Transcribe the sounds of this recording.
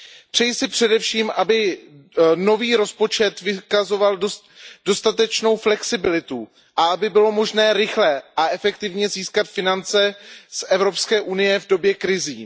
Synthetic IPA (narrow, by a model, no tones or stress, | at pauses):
pr̥ɛjsɪpr̝̥ɛdɛfʃiːmʔabɪ | no̞viːɾo̞spo̞t͡ʃɛt̪vɪkazo̞valdo | do̞st̪at̪ɛt͡ʃno̞wflɛksɪbɪlɪt̪u | ʔaʔabɪbɪlo̞mo̞ʒnɛːɾɪxlɛʔaʔɛfɛkt̪ɪvɲɛziːskat̪fɪnant͡sɛsʔɛvɾo̞pskɛːʔunɪjɛvdo̞bjɛkɾɪziː